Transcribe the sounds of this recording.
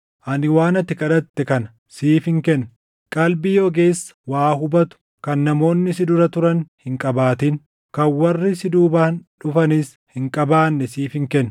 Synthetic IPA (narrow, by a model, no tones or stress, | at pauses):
ʔɐnɪwaːnɐt̪ːɪkʼɐᶑɐt̪ːɛkɐnɐ̥ | siːfɪŋkɛnːɐ | kʼɐlbɪjoːɡe̞ːsːɐ̥waːhʊbɐt̪ʊ̥ | kɐnːɐmo̞ːnːɪsɪd̪ʊɾɐt̪ʊɾɐnhɪŋkʼɐbaːt̪in | kɐnwɐrːɪsɪd̪uːbaːnᶑʊfɐniːs | hɪŋkʼɐbaːnːɛsiːfɪŋkɛnː